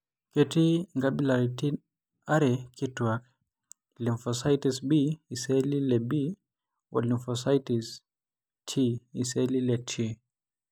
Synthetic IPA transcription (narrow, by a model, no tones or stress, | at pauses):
kɛtiŋɡabilaɾiti | aɾɛkitwak | liɱfɔsajtisbiːsɛlilɛbi | wɔ̰liɱfɔsajtis | tʰiisɛlilɛtʰi